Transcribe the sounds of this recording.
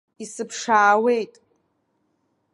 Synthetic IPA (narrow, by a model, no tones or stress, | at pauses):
isɨpʰʂaːwe̞jtʼ